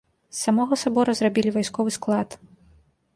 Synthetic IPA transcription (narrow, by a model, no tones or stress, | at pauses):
sːamɔɣɔsabɔɾɐzrabʲilʲivajskɔvɨsklˠat̪